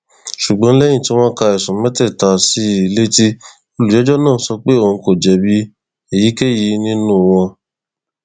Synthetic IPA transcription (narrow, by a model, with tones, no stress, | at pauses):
ʃu˨ɡ͡bɔ̃˨˦lɛ˦j̃ĩ˦˨tĩ˦ɔ̃˦ka˧ɛ˨sũ˨˦mɛ˦tɛ˦˨ta˨si˨˦i˨le˦ti˦ | o˧lu˨d͡ʒɛ˨˦d͡ʒɔ˦nãː˦˨˦sɔ˧k͡pe˦o˦˧˨n̩˧ko˨d͡ʒɛ˨bi˦ | e˨ji˨˦ke˦ji˧˦nĩ˦nũ˦˨w̃ɔ̃˧